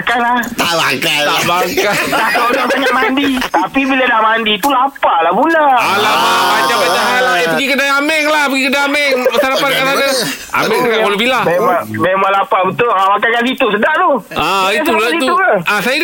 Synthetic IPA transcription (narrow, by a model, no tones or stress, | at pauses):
kanlat̪aʔbakat̪abakaapanapaɲaʔmandit̪apibiladamandit̪ulapalabulaalapaat͡ʃapad̪akalapəɡikədaamɛŋlahpəɡikədaamɛŋəsaɾapankasada | a̰mɛŋsakabəlabilamemaŋmemaŋlapabət̪ʊamakakasit̪usədaʔt̪oaist̪ulaiit̪ut̪aʔasaja